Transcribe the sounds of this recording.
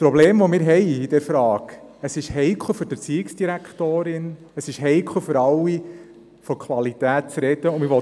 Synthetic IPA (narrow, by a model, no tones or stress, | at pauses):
spɾɔbleːmʋomɪːɾɦɛɪid̥ɛɾfɾɑːkəsɪʃhɛɪkʰl̩ˠføɾd̥əpt͡siɪksd̥iɾækχt̪oːɾɪn | əsɪʃɦɛɪkʰχl̩føɾɑlwːi | fɔkʰʋɑlitæːt̚t͡sɾɛd̥əʊmɪʋɔ